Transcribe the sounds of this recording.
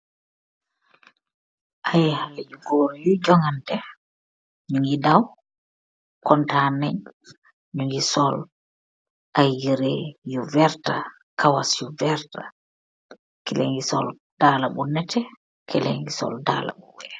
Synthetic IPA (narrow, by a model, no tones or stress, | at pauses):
ʔajhalad͡ʒuɡoɾjud͡ʒɔŋandɛ | ɲuŋidaw | kɔntanɛɲ | ɲuŋisɔl | ʔajiɾɛjuvɛɾta | kʰawasjuvɛɾta | kɛlɛ̰ŋɡisɔ̰l | d̥aːlaɓunːɛtʰɛ | kʰɛlɛŋɡisɔ̰lda̰la̰ɓuwɛ